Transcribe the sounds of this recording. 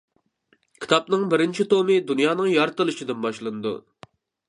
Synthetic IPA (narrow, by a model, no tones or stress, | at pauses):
kʲʰi̥t̪ʰɑpnɨŋbɪɾɪnt͡ʃʰit̪omɨd̪unjɑːnɨŋjɑɾt̪ɨlˠɨʃid̪ɪnbɑʃlˠɨnɨd̪ṵ